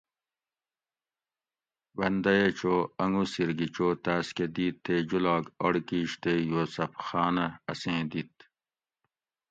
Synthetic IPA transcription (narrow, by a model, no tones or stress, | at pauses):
wɐnd̪ɐjet͡ɕoːɐŋɡusiɾɡit͡ɕoːt̪aːsked̪iːt̪ʰːeːd͡ʑulaːɡoɽkiːɕt̪eːjoːsɐpxaːnɐɐsẽːd̪it̪